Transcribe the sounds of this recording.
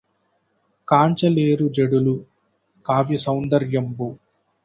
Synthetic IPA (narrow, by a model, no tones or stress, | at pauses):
kaːɲt͡ʃɐleːɾud͡ʒɐɽulu | kaːʋjisɐwnd̪ɐɾjɐmbu